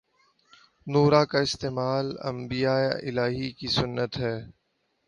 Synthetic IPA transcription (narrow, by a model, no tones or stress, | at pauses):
nuːɾaːkaɪst̪eːmaːlɐ̰̃mbijaːeɪ̰laːɦikisʊnːət̪ɦɛː